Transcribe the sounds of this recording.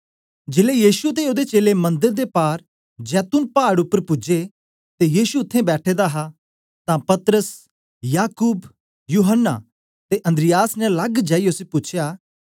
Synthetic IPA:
d͡ʒelejiːʃut̪eoːd̪et͡ʃeːlemɐ̃nd̪əɾd̪epaːɾ | d͡ʒɛːt̪ʊnpaːɽʊpːəɾpʊd͡ʒe | t̪ejiːʃuʊt̪ʰːẽbɛːʈʰed̪aɦa | t̪ãpɐt̪ɾəs | jaːkuːb | juːɦənːa̰ | t̪eʔɐ̃nd̪ɾɪjaːsnɛlɐɡd͡ʒaːiʊsepʊt͡ʃʰjaː

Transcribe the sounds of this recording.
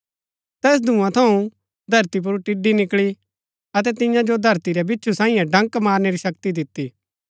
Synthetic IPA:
t̪ɛːs̬d̪ʱũːãt̪ʰɐũ | d̪ʱɐɾt̪ip̬ʊɾʈɪɖinɪkɭi | ɐt̪ɛt̪ɪ̃jãd͡ʒod̪ʱɐɾt̪iɾɛbɪtːt͡ʃʰusãːĩjãɖɐ̃ŋkmaːɾneɾiʃɐkt̪id̪ɪt̪ːiː

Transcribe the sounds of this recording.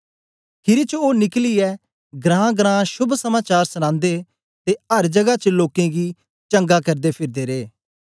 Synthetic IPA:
kʰɪɾit͡ʃoːnɪkliɛː | ɡɾãːɡɾãːʃʊbʱsəmaːt͡ʃaːɾsəñãːnd̪eː | t̪eːəɾd͡ʒəɡat͡ʃəloːkẽɡiː | t͡ʃə̃ŋɡakəɾd̪eːpʰɪɾd̪eːɾeː

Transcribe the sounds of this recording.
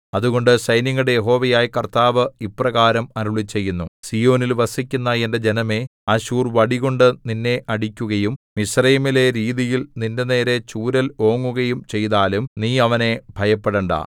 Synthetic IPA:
ɐðuɣo̞ɳɖɨsɐjniŋːɐɽejeɦo̞ːʋɐjaːjikɐrt̪aːʋɨiprɐɣaːɾɐmɐɾuɭit͡ɕːe̞jːunːusiːjo̞ːnilʋɐsikʲːunːɐended͡ʑenɐme̞ɐɕuːrʋɐɽiɣo̞ɳɖɨninːe̞ʔɐɽikʲːuɣɐjummisrɐjmile̞ɾiːðijilninde̞ne̞ːɾe̞t͡ɕuːɾɐlo̞ːŋːuɣɐjumt͡ɕe̞jt̪aːlumniːɐʋɐne̞bʱɐjɐpːeɽɐɳɖɐ̰

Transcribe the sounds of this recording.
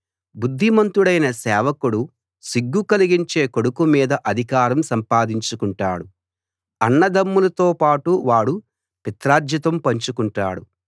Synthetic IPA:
bud̪ʱːimɐnt̪uɽɐjnɐsɛːʋɐkuɽu | siɡːukɐliɡiɲt͡ʃe̞ːkoɽukumiːd̪ɐʔɐd̪ʱikaːɾɐmsɐmpaːd̪iɲt͡ʃukuɳʈa̰ːɽu | ɐɳːɐd̪ɐmːulɐt̪oːpaːʈuʋaːɽu | pit̪ɾaːd͡ʒ̪jɐt̪ɐmpɐɲt͡ʃukuɳʈa̰ːɽu

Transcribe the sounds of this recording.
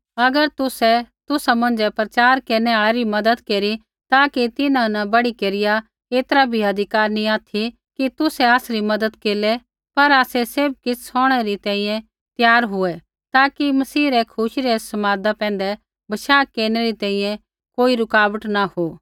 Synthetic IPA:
ɐɡəɾt̪ʊsɛt̪ʊsamɐ̃nd͡ʒɛpɾɐt͡ʃaːɾkeːnɛaːɭeɾimɐd̪əd̪keːɾi | t̪aːkit̪ɪnãnɐbɐɽikeːɾɪja | eːt̪əɾabʱiɐd̪ʱɪkaːɾnĩaːt̪ʰi | kit̪ʊsɛaːsɾimɐd̪əd̪keːlɛ | pɐɾaːsɛseːb̚kɪsɔːɽ̃ɛɾit̪ɛ̃ːĩːjɛ̃ | t̪jaːɾɦʊɛ | t̪aːkimɐsiːɾɛkʰʊʃiɾɛsɐmaːd̪apɛ̃ːn̆d̪ɛ | bɐʃaːkeːɾñɛɾit̪ɛ̃ːĩjɛ̃ | koːiɾʊkaːbəʈnahoː

